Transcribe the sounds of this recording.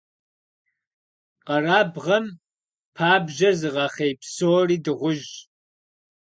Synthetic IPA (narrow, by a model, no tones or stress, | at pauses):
qɐraːbʁɐm | pʰaːbʒɐzɨʁɑːχejpsoːriːdɨʁʷʊʒ